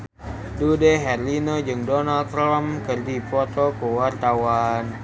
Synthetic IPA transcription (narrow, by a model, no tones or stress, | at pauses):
dudeɦɛrlinod͡ʒɨŋdɔnalt̪ɾamkɨrdifɔt̪ɔkuwart̪awan